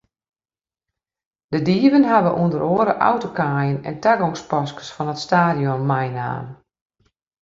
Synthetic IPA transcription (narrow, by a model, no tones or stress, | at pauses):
d̥ədiːəvənɦaʋəʔuəndəɾoəɾəʔa̰wtokaːjənɛ̰ntaɡɔŋspɔskə̥sfɔnətstaːdjɔnːajna̰ːn